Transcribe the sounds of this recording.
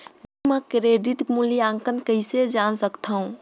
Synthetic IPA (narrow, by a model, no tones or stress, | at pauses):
dumakɾeɖit̪muliãŋkənkəised͡ʒansəkt̪ʰaũ